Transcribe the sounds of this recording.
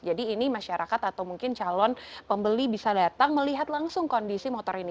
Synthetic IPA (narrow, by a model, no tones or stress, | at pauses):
d͡ʒadiːnimaʃaɾʔakat̪at̪awmuŋkɪnt͡ʃalɔnpəmbəlibisadat̪aŋməliɦat̪laŋsʊŋkondisimɔt̪ɔɾini